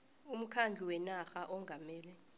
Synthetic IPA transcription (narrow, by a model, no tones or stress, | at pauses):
um̩kʰand͡ɮʱuwɛnaxaʔɔŋɡʱamɛːlɛ